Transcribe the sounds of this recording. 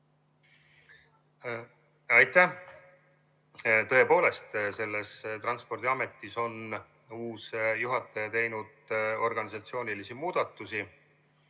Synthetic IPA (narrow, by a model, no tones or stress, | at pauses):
ɑjt̪ˑːæ | t̪ɤ̞epo̞ːle̞st̪se̞lːest̪rɑnspo̞rd̪iɑme̞t̪ːˑiso̞n | uːsjuɦɑt̪ːˑɑjɑt̪e̞jnud̪̥o̞rɡ̥ɑnisɑt̪sio̞ːnilisimuːd̪̥ɑt̪ːˑusi